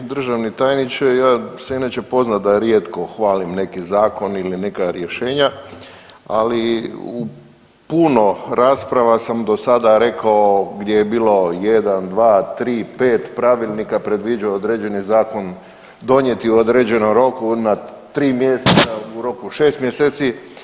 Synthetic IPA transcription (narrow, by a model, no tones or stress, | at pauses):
d̪r̩ʒaʋnit̪ajnit͡ʃejaːseinat͡ɕepo̞znat̪̚d̪aɾjet̪ko̞xʋaːlimne̞kizaːko̞niline̞kaɾjeʃe̞ːɲa | a̰liu | punoɾaːspɾaʋasamd̪o̞sad̪aɾe̞kaoɡd̪jejebiːlo̞je̞d̪and̪ʋaːt̪ɾiːpe̞ːt̪pɾaʋilˠnikapɾe̞d̪ʋid͡ʒaood̪ɾed͡ʒe̞nizaːko̞n | d̪o̞ɲje̞t̪iuod̪ɾed͡ʑe̞nomɾo̞kuna | t̪ɾiːmjeset̪sauɾo̞kuʃeːst̪mjeseːt̪si